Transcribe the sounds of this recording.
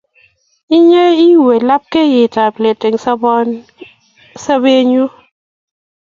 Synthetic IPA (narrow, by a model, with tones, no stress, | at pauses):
i˦ɲe˦i˦we˨la˦p̚ke˦jɪ˨ta˨ple˨tɪ˨ŋsbn | sa˦be˦ɲu˦